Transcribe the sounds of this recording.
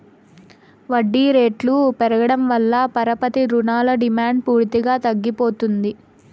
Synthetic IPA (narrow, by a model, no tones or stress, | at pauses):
ʋɐɖːiːɾe̞ːʈlupɛɾɐɡɐɽɐmʋɐlːɐpɐɾɐpɐt̪iɾunaːlɐɖimaːɳɖ̚puːɾt̪iɡaːt̪ɐɡːipoːt̪und̪i